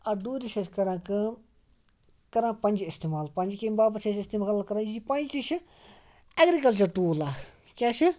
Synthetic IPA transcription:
ɐd̪uːd̪iʃɐskɐɾãːkɨ | kɐɾãːpɐ̃nʲd͡ʒɪst̪eːmaːlpɐ̃nʲd͡ʒkembaːbɐsʰesɪst̪eːmaalkɐɾãːd͡ʒipɐ̃nʲd͡ʒt̪it͡ʃʰi | ɐɡɾikɐlt͡ʃɐɾʈuːlaː | kʲaːt͡ʃʰi

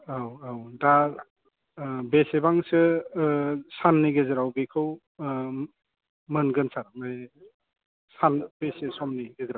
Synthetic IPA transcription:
awawda | besebaŋsɯ | sanːiɡezeɾawbekʰɯw | mɯnɡɯnsaɾmaj | sanb̥esesɔmniɡezɾaw

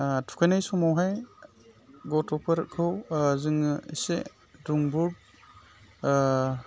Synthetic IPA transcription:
tʰu̥kʰajnajsɔmawɦaj | ɡɔtɔpʰɐɾkʰɯwzɯŋḭse | duŋbuɾd̚

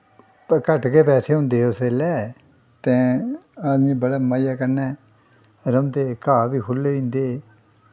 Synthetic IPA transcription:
kəʈkeːpɛːseːɦʊ̃nd̪eːʊseːlɛː | t̪ɛ̃ːaːd̪mĩːbəɽɛːmaːjaːkəɾnɛː | ɾəmd̪eːkaːbiːkʰʊlːeːĩːnd̪eː

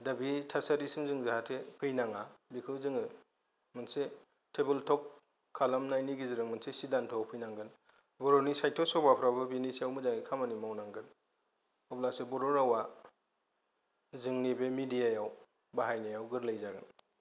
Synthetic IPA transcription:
dabitʰasaɾisɯmzɯŋzaɦatʰepʰɯjnaŋabikʰɯwzɯŋɯ | mɯnse | tʰebeltʰɔp̚ | kʰalamnajniɡiziɾɯŋmɯnsesidantʰɔawpʰɯjnaŋɡɯn | bɔɾonisajtʰɔsɔbapʰɾabɯbinisiawmɯzaŋikʰamanimawnaŋɡɯn | ɔplasebɔɾɔɾawa | zɯŋnibemidijajaw | baɦajnajawɡɯɾlajzaɡɯn

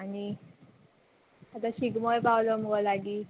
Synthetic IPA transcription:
añi | at̪aɕiɡmojpawloməɡolaɡiː

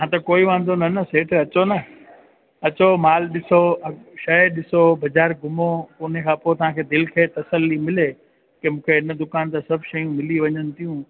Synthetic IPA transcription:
ɦãt̪ɐkoːiʋãːn̆d̪onɐnɐseːʈʰɐt͡ɕonɐ | ɐt͡ɕomaːlɗɪsoɐʃɐɗɪsobɐd͡ʑaːɾɡʱʊmokonekʰãːpoːt̪ɐɦãkʰeːd̪ɪlkʰeːt̪ɐsəlːimɪle | kemũːkʰeɦɪnə̆d̪ʊkaːnt̪asɐbʱʃɐjũmɪliʋɐɲənɪ̆t̪ʰijũ

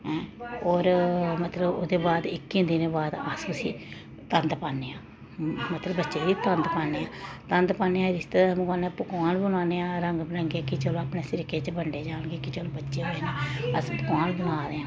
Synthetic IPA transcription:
ɛ̃ɔːɾmət̪ləbʊ̰d̪eːbaːd̪ɪkːẽːd̪ɪnẽːbaːd̪asũsiː | t̪ənd̪paːneːãː | mət̪ləbːətːʃeːiːt̪ənd̪paːneːãːt̪ənd̪paːneːãːɾɪst̪emʊkaːnẽːpʊkaːnbʊnaːneːãːɾəŋɡbəɾəŋɡeːkɪt͡ʃəloːaːpneːsɪɾɪkeːt͡ʃbəɳɖeːd͡ʒaːnɡeːkɪt͡ʃəloːbətːʃeːɦoːeːneːəspʊkaːnbʊnaːd̪eːãː

